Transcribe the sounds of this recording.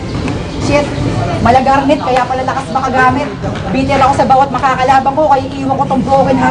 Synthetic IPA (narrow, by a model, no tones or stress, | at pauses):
ʃɛt̪̚mɐlɐɡɐɾmɪt̪̚kɐjapɐlɐlɐkasbɐkɐɡaːmɪt̪̚ | biːt̪ɛɾɐko̞sɐbaːwɐt̪̚mɐkaːkɐlaːbɐŋko̞kɐjiʔiːwɐkot̪omboːkɪn